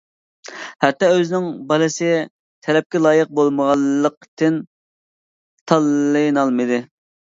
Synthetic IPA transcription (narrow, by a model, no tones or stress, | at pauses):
hɛt̪ːɑøznɪŋbɑlɨsɪ | t̪ʰɛlɛp̚kʲɛlˠɑːjəq̚bolˠməʁɑlˠːəqt̪ɪn | t̪ʰɑlˠːɨjnɑlˠmɨd̪ɨ